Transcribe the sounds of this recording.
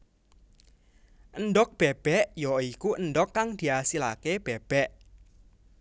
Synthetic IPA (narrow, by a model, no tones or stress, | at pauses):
ʔənɖɔk̚b̥eb̥ɛʔjɔikuʔənɖɔkːaŋd̪̥i̤asila̰keb̥eb̥ɛʔ